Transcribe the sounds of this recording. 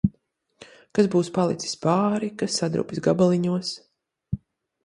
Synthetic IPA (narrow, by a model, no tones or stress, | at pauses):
kazbuːspalˠḭt̪si̥spaːɾikasːad̪ɾṵːpʲisɡabalˠiɲuɔs